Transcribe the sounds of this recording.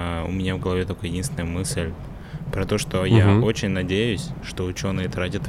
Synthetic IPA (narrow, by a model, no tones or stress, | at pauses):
ʊ̰mʲɪnʲavɡəlˠɐvʲet̪okəjɪdʲinsʲɪnəjəmɨsʲlʲ | pɾɐt̪o̞ʂt̪o̞jao̞t͡ɕɪnʲnɐdʲejʊsʲʂt̪o̞ʊt͡ɕo̞nɨjət̪ɾatʲət̪